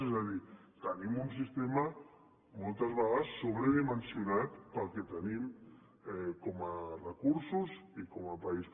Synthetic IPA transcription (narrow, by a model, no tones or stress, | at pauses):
ezaði | t̪ənimuns̬ist̪ema | mɔlˠt̪əzβaɣasːoβɾeðimənsjunat̪pəlˠket̪ənim | ɛkomarəkuɾsusikomapais